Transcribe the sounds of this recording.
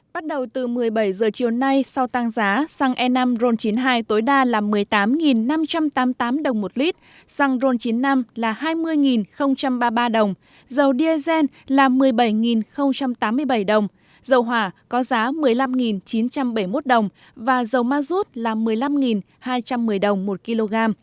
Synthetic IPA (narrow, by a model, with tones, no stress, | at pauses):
ɓa˦˥t̚ɗə˨˩wt̪ɨ˨˩mɨ˨˩əjɓə˧˩jzəː˨˩t͡ɕi˨˩əwna˧jsa˧wt̪aː˧ŋzaː˨˦sa˧ŋʔɛ˧na˧mzo˧nt͡ɕi˨˦nɦaː˧jt̪o˨˦jɗaː˧laː˨˩mɨ˨˩əjt̪aː˨˦mŋi˨˩nːa˧mt͡ɕa˧mt̪aː˨˦mt̪aː˨˦mɗə˨˩wŋ͡mmo˨˩t̚li˦˥t̚ | sa˧ŋzo˧nt͡ɕi˨˦nːa˧mlaː˨˩haː˧jmɨ˧əjŋi˨˩nxə˧wŋ͡mt͡ɕa˧mɓaː˧ɓaː˧ɗə˨˩wŋ͡m | zə˨˩wɗi˧ə˧zɛ˧n | laː˨˩mɨ˨˩əjɓə˧˩jŋi˨˩nxə˧wŋ͡mt͡ɕa˧mt̪aː˨˦mːɨ˧əjɓə˧˩jɗə˨˩wŋ͡m | zə˨˩wɦwaː˧˩kɔ˨˦zaː˨˦mɨ˨˩əjla˧mŋi˨˩nt͡ɕi˨˦nt͡ɕa˧mɓə˧˩jmo˦˥t̚ɗə˨˩wŋ͡m | vaː˨˩zə˨˩wmaː˧zu˦˥t̚laː˨˩mɨ˨˩əjla˧mŋi˨˩n | haː˧jt͡ɕa˧mːɨ˨˩əjɗə˨˩wŋ͡mmo˨˩t̚ki˧lo˧ɣaː˧m